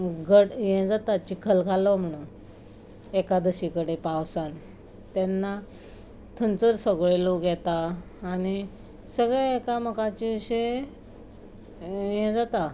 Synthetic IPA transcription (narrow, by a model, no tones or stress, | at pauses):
ɡəɽjɛ̃d͡zat̪at͡ɕikʰəlkalɔm̤əɽ̃un | ekad̪əɕikəɽepawsan | t̪ɛnːa | t̪ʰənt͡səɾsəɡɭeloɡʱjɛt̪aː | ɽ̃i | səɡɭɛekaməkãt͡ɕiʋiɕej | jɛ̃d͡zat̪a